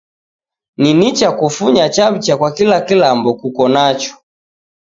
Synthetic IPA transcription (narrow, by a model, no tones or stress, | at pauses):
ninit͡ʃakufuɲat͡ʃaβit͡ʃakwakilakilambɔkukɔnat͡ʃɔ̥